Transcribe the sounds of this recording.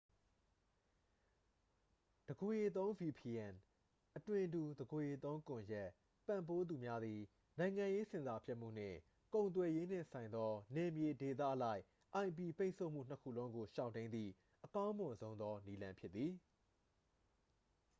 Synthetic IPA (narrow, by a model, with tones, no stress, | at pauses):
d̥əɡo˨je˨t̪̬õ˦ʊ̃vi˨pʰi˨ɛ̃˨n | ʔətwɪ̃˨ndu˨d̪əɡo˨je˨t̪õ˦ʊ̃ŋkʊ̃˨jɛ˦ʔ | pã˨mpo˦d̪u˨mja˦d̪ði˨ | nã˨ɪ̃ŋã˨je˦sɪ̃˨nza˨pʰjɛ˦ʔm̥ṵ˦˨n̥ɪ̰̃˦˨ | kõ˨ʊ̃nt̪̬wɛ˨je˦n̥ɪ̰̃˦˨sʰã˨ɪ̃nd̪ɔ˦nɛ˨mje˨de˨t̪̬ä̰˦˨ʔəla˦ɪʔ | ʔã˨ɪ̃mp̬i˨pe˦ɪʔsʰo˦ʊʔm̥ṵ˦˨n̥əkʰṵ˦˨lõ˦ʊ̃ŋɡo˨ʃa˦˨ʊ̃nẽ˦nd̪ðḭ˦˨ | ʔəkã˦ʊ̃mʊ̃˨nzõ˦ʊ̃nd̪ɔ˦ni˦lã˦mpʰjɪ˦t̪t̪ːði˨